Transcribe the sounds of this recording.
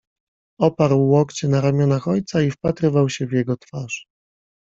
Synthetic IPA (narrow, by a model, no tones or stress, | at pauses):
ɔpaɾwːɔkt͡ɕɛnaɾamʲjɔnaxɔjt̪saifpat̪ɾɘvawɕɛvjɛɡɔt̪faʂ